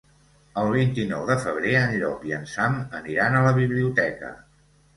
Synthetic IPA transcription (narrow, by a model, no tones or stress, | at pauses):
əlˠβ̞int̪inɔwðəfəβ̞ɾeənʎɔpiənsaməniɾanələβiβliut̪ɛkə̰